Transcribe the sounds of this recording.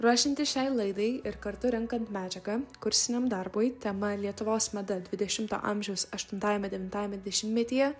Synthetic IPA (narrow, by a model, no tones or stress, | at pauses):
ɾuɔʃʲɪnʲt̪ʲɪʃʲɛɪlˠɐɪd̪ɐɪɪɾkɐɾt̪ʊɾʲɛŋkɐnt̪mʲæːd͡ʒʲɛɡɐkʊɾʲsʲɪnʲemd̪ɐɾboːjt̪ʲɛmɐlʲiɛt̪ʊʋoːsmɐd̪ɐd̪ʲʋʲɪd̪ʲɛʃʲɪmt̪o̰ːʔɐmʲʒʲɛʊsɐʃt̪ʊnt̪ɑːjɛmʲɛd̪ʲɛʋʲɪnt̪ɑːjɛmʲɛd̪ʲɪd̪ʲɛʃʲɪmmʲɛt̪ʲijɛ